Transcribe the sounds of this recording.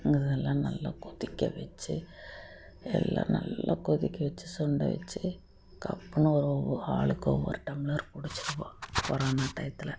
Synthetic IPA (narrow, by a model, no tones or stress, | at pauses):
ŋɡɐðɛlːãːnɐlːakʊðɪkʲːɐʋɛt͡ʃːɯ | ɛ̰lːã̰ːnɐlːakʊðɪkːɐʋɛt͡ʃːɯsɔɳɖɐ̰ʋɛ̰t͡ʃːɯ | kɐpːɐnɯ̃ɔɾɔʋɐaːɭɯkːɔʋːɐ̰ɾɯʈɐmɪlɐɾpʊɽɪt͡ʃːɯɾɐpõːpɔɾaːnaːʈ̪ɐjt̪ːɪlɐ